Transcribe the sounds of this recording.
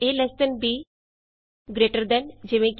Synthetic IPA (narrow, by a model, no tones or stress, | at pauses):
elɛsʈ̪ənbiː | ɡɾeːʈəɾd̪ɛnd͡ʒɪʋẽk